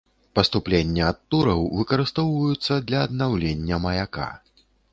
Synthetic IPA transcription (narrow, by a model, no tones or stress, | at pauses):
pɐst̪uplʲenʲːɐɐt̪ːuɾɐwvɨkɐɾɨst̪ɔwvɐjut̪sːɐd̪lʲɐːd̪nawlʲenʲːɐmɐjaka̰